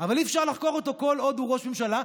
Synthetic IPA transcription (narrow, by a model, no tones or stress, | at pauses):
avalifʃaʁlaχko̞ʁot̪o̞ko̞lo̞d̪uʁo̞ʃme̞mʃala